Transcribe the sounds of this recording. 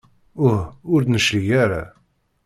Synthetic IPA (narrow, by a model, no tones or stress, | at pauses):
ʊhʊɾd̪nəʃlijaɾa̰